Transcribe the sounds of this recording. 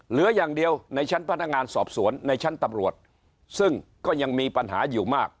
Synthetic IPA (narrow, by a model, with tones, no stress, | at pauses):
lɯ˨˩˦ɐjaː˨˩ŋdi˧əwna˧jt͡ɕʰa˦˥npʰa˥˩na˦˥kŋaː˧nsɔː˨˩p̚su˩˦ənːa˧jt͡ɕʰa˦˥nt̪a˧mɾu˨˩ət̪̚ | sɯ˥˩ŋkɔː˥˩ja˧ŋmiː˧pa˧nɦa̰ː˩˦juː˨˩maː˥˩k̚